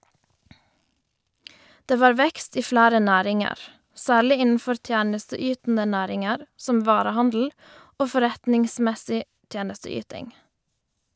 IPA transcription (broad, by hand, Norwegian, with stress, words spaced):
ˈdeː ˈʋɑːɾ ˈʋɛkst ˈiː ˈflæːɾə ˈnæːɾɪŋəʁ ˈsæːɭɪ ˈɪnn̩ˌfɔɾ ˈtjæːnəstəˌyːtn̩ə ˈnæːɾɪŋəɾ ˈsɔm ˈʋɑːɾəˌhɑndl̩ ˈoː fɔˈɾɛtnɪŋsmɛsɪ ˈtjeːnəstəˌyːtɪŋ